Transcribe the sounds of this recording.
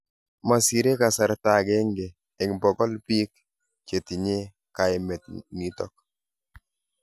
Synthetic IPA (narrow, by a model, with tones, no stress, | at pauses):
ma˨si˨ɾe˦ka˨sa˨ɾta˨ɡɛ˦ŋɡeː˨ | ŋbɔ˨ɡɔ˦lpi˦k̚ | t͡ʃe˨ti˨ɲe˦ | ka˨ɪ˦mɛ˨t̪ni˦tɔ˦k̚